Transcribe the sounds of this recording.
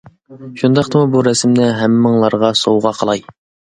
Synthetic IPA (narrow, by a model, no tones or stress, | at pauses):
ʃund̪ɑqt̪ɨmubuɾɛsɪmnɪɦæmːɪŋlˠɑɾʁɑsowʁɑqʰəlˠɑj